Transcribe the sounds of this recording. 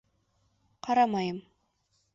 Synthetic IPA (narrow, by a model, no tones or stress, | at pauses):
qɑɾɑmɑjɤm